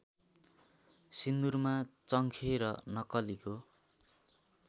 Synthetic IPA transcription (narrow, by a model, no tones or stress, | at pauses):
sind̪urmat͡sʌŋkʰeɾʌnʌkʌliko